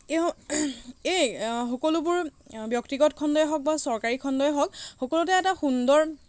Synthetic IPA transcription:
eɔ | ejxokolubʊɹbjɔktiɡɔtkʰɔndɔjɦɔk̚basɔɹkaɹikʰɔndɔjɦɔk̚xokolutɛɛtaxundɔɹ

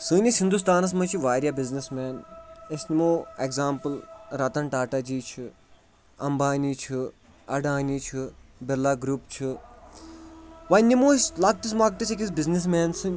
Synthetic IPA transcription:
sɨːnʲɐsɦind̪us̬t̪aːnɐs̬mɐt͡ʃʰiʋaːɾʲjabiznismɛːnesʲnimoːeɡzaːmpɨlɾɐt̪ɐɳʈaːʈad͡ʒiːt͡ʃʰi | ɐmbaːnit͡ʃʰi | ɐɖaːniːt͡ʃʰibelːaːɡɾupt͡ʃʰɨ | ʋɐnʲːimoːesʲlak̚ʈis̬maːk̚ʈ̪it͡ʃʰikʲis̬biznis̬meːnsɨnʲ

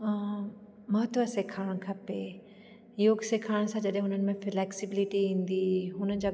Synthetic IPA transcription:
mɐɦt̪ʋəseːkʰaːɽ̃kʰɐpe | joːɡseːkʰaːɽ̃sãd͡ʑɐɗɦẽɦʊnənɪmẽflɛːksɪbɪlɪʈiĩːnd̪iɦʊnəd͡ʑaː

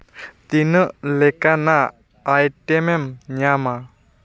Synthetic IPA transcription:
t̪inəʔlekanaː | jʈemɛmɲama

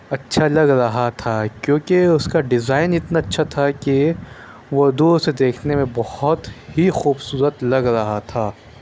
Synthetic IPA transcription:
ɐtːʃʰalɐɡɾɐɦat̪ʰakjõːkeʊskaɖɪzaːɪnɪt̪naɐtːʃʰat̪ʰake | ʋʊɾd̪used̪eːkʰnemẽbɐhʊt̪hixuːbsuːɾət̪lɐɡɾɐɦat̪ʰaː

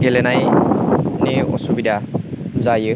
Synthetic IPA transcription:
ɡelɛnaj | neɔ̰subidazajɯ

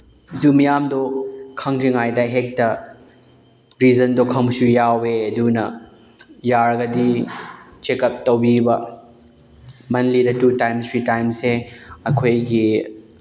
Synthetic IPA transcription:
zumɐjamdokʰɐŋd͡ʒiŋajdɐɦek̚tɐ | ɾizɐndokʰɐŋsujaweɐdunɐ̰ | jaɾɐɡɐdi | t͡ʃekɐp̚tɐwbibɐ | mɐnlidɐtutajmstʰɾitajmseɐkʰojɡi

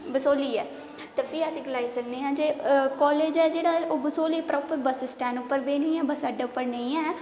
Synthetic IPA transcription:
bəsoːliːɛː | t̪epʰɪːəsĩːɡəlaːiːsək̚d̪eːɦãːd͡ʒeːkɔːleːd͡ʒɛːd͡ʒeːɽaːoːbəsoːliːpɾɔːpəɾbəssʈɛ̃ːnʊpːəɾbeːnĩːɛːbəsaːɖaːʊpːəɾnə̃ĩːɛː

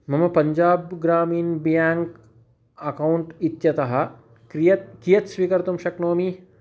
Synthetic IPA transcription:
mɐmɐpɐɲd͡ʑaːbɡɾaːmiːnbjaŋk | ɐkauɳʈit̪jɐt̪ɐɦa | kɾijɐt̪̚kijɐt̪sʋiːkɐɾt̪umɕɐknoːmi

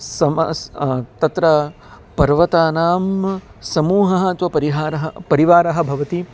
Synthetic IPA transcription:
sɐmɐ̰t̪ɐt̪ɾɐ | pɐɾʋɐt̪aːnaːmsɐmuːɦɐɦɐt̪ʋɐpɐɾiɦaːɾɐɦɐpɐɾiʋaːɾɐɦɐ̆bʱɐʋɐt̪i

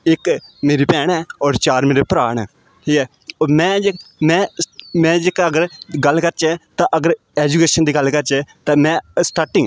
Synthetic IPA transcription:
ɪkmeːɾiːpɛːɽɛːɔːɾt͡ʃaːɾmeːɾeːpɾaːɳ̃ɛː | ʈiːkɛː | ɔːmɛ̃ːd͡ʒemɛ̃ːmɛ̃ːd͡ʒekːəɡəɾɡəlːkəɾt͡ʃɛːt̪ãːʔəɡəɾ | ɛːd͡ʒukeːʃənd̪iːɡəlkəɾt͡ʃɛːt̪ãːmɛ̃ːsʈaːʈɪ̃ː

